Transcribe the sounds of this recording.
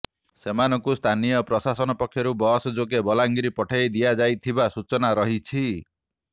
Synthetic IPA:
semanɔŋkust̪ʰanijɔpɾɔsasɔnɔpɔkʰːjɔɾubɔsɔd͡ʒok̬ebɔlaŋɡiɾipɔʈʰajd̪ijad͡ʒajt̪ʰibasut͡ʃɔnaɾɔɦit͡ʃʰi

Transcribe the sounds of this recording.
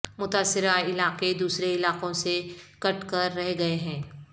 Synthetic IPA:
mʊt̪aːsːɪɾaɪlaːqed̪uːsɾeɪlaːqõsekɐʈkɐɾːɛɦɡɐeɦɛ̃ː

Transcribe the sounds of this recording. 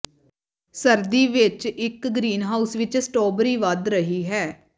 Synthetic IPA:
səɾd̪iːʋɪt͡ʃɪkɡɾiːnɦaːusʋɪt͡ʃsʈɔːbɾiːʋad̪ɾəɦiːɦɛː

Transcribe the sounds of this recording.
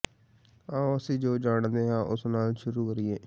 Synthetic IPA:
aːəsĩːd͡ʒoːd͡ʒaːɽd̪eːɦãːʔʊsnaːlʃʊɾuːkəɾieː

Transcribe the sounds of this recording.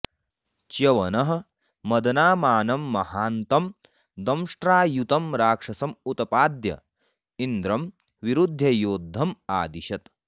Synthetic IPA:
t͡ʃjɐʋɐnɐɦɐ̆ | mɐd̪ɐnaːmaːnɐmːɐhaːnt̪ɐm | d̪ɐmʂʈɾaːjut̪ɐmɾaːkʂɐsɐmut̪ɐpaːd̪jɐ̰ | ind̪ɾɐm | ʋiɾud̪ʱːɐjoːd̪ʱːɐmaːd̪iʃɐt̪

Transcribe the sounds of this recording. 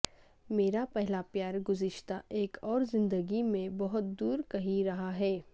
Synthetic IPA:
meːɾapɛɦlapjaːɾɡʊzɪʃt̪aʔeːkɔːɾzɪ̃nd̪əɡimẽbɐɦʊt̪̚d̪uːɾkɐɦiɾɐɦaɦɛː

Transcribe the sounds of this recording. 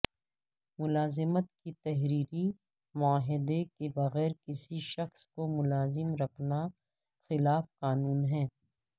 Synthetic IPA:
mʊlaːzɪmət̪kit̪ɛɦɾiːɾi | mʊaːɦɪd̪ekebɐɣɛːɾkɪsiʃɐxskomʊlaːzɪmɾɐkʰna | xɪlaːfqaːnuːnɦɛ̃ː

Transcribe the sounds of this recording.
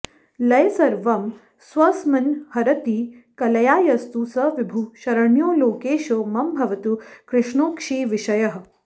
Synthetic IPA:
lɐjɐsɐɾʋɐm | sʋɐsmɐnhɐɾɐt̪iːkɐlɐjaːjɐst̪usɐʋibʱuʃɐɾɐɳjoːloːkeːʃoːmɐmbʱɐʋɐt̪ukɾɪʃɳoːkʂiːʋiʃɐjɐɦɐ̆

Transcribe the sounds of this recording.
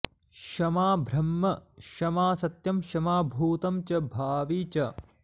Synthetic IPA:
kʃɐmaːbʱɾɐmːɐʃɐmaːsɐt̪jɐmʃɐmaːbʱuːt̪ɐmt͡ʃɐbʱaːʋiːt͡ʃɐ

